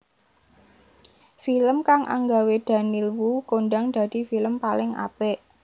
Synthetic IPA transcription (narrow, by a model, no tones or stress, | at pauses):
filəmkaŋʔa̰ŋɡawed̪̥a̤nilwukoɳɖaŋd̪̥ä̤d̪̥i̤filəmpalɪŋʔa̰pɛʔ